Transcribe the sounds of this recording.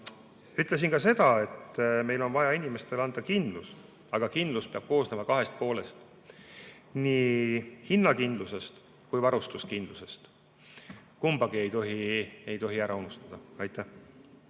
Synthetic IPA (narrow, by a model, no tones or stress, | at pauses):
yt̪ˑle̞s̬inkɑse̞d̪̥ɑe̞t̪ːme̞jlo̞nvɑjɑinime̞st̪e̞lɑnd̪̥ɑkind̪lus | ɑɡ̥ɑkind̪luspe̞ɑb̥̚ko̞ːsnemɑkɑɦe̞st̪̚po̞ːle̞st̪ | niːhinːɑkind̪luse̞st̪ | kujvɑɾust̪uskind̪luse̞st̪ | kumb̥ɑɡie̞jt̪o̞ɦie̞jt̪o̞ɦiæɾʔɑunust̪ɑd̪̥ɑɑjt̪ˑːæ